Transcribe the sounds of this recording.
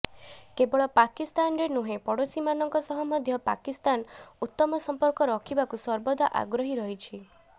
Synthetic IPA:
kebɔɭɔpakist̪anɾenuɦepɔɽosimanɔŋkɔsɔɦɔmɔd̪ʱjɔpa̰kist̪anut̪ːɔmɔsɔmpɔɾkɔɾɔkʰibakusɔɾbɔd̪aʔa̰ɡɾɔɦiɾɔɦit͡ʃʰi

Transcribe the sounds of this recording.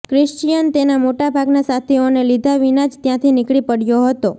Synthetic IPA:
kɾɪʃt͡ʃijənt̪enamoʈabʱaɡnasat̪ʰionelid̪ʱaʋinad͡ʒt̪jãt̪ʰinɪkɭipəɽjoɦət̪o

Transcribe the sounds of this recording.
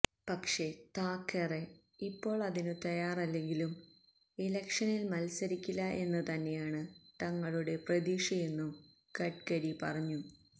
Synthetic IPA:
pɐkʂe̞t̪aːkːere̞ | ipːo̞ːɭɐðinut̪ɐjaːrɐlːe̞ŋɡilum | ilɐkʂɐnilmɐlsɐɾikʲːilːɐʔe̞nːɐt̪ɐnːe̞jaːɳɨt̪ɐŋːɐɭuɽe̞prɐðiːkʂije̞nːum | kɐʈkɐɽipɐrɐɲːu

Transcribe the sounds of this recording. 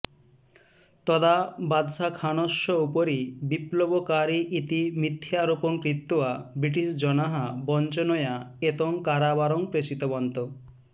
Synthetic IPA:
t̪ɔd̪abad̪sakʰanɔʃːɔupoɾibiplobokaɾiʔit̪imit̪ʰːjaɾupɔŋkɾit̪ːoabɾiʈ̬isd͡ʒɔnaɦabɔnt͡ʃɔnɔjaet̪ɔŋkaɾabaɾɔŋpɾesit̪ɔbɔnt̪o

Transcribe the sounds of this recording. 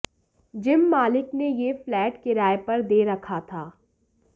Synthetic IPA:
d͡ʒɪmːaːlɪknejeflɛːʈkeɾaːjpɐɾd̪eːɾɐkʰat̪ʰaː

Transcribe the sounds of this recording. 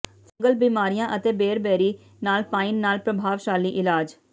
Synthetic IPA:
sə̃ŋɡəlbiːmaːɾijãːʔət̪eːbeːɾbɛːɾiː | naːlpaːinːaːlpɾəbʱaːʋʃaːliːʔɪlaːd͡ʒ

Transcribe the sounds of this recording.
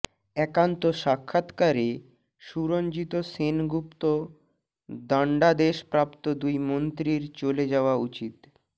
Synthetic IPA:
ɛkant̪oʃakʰːat̪kaɾe | ʃuɾond͡ʑit̪osenɡupt̪o | d̪ɔɳɖad̪eʃpɾapt̪od̪ujmont̪ɾiɾt͡ɕoled͡ʑaoaut͡ɕit̪

